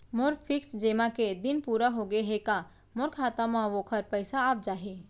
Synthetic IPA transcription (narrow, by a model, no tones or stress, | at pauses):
moɾpʰɪksd͡ʒeːmaked̪ɪnpuːɾaɦoɡeɦeka | mʊɾkʰaːt̪amãʋokʰəɾpəɪsaːp̚d͡ʒaːɦi